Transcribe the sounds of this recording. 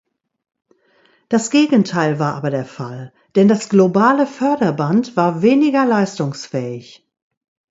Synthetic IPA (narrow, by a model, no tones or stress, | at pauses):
d̥asɡ̥eːɡn̩tʰaɪlvaːɐʔa̰ːbɐdeːɐfa̰l | d̥ɛndasɡ̥lobaːləfœɐdɐbantv̥aːɐveːnɪɡɐlaɪstʊŋsfɛːɪç